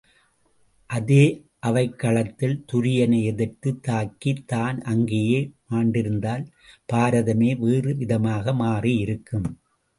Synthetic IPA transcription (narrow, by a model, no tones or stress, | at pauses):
ʔɐðeː | ʔɐʋɐɪkːɐɭɐt̪ːɪlt̪ʊɾɪjɐnɐɛðɛrt̪ːɯt̪ːaːkːit̪ːaːnɐŋɡejeːmaːɳɖɪɾɯnd̪aːl | paːɾɐðɐmeːʋeːrɯʋɪðɐmaːɣɐmaːriɪɾɯkːɯm